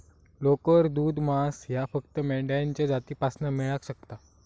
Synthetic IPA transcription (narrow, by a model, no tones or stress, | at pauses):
lokəɾd̪uːd̪masjafəkt̪əmɛɭɖajaɲt͡ɕjad͡zat̪iːpasnəmɛɭakɕək̚t̪a